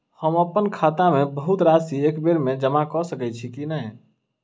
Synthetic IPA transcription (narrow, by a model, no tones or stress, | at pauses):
həməpːənkʰaːt̪amẽbəɦut̪ɾasiekbeɾmẽd͡ʒəmakɔsəkɛt͡ʃʰikinəi